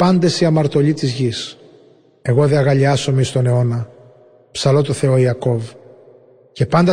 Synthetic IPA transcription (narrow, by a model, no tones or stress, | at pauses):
pɐnd̪e̞siɐmɐɾt̪o̞ʎit̪izʝis | e̞ɣo̞ðeɐɣɐʎiɐso̞mist̪o̞ne̞o̞nɐ | psɐlo̞t̪oθe̞o̞iɐko̞v | ce̞pɐnd̪ɐ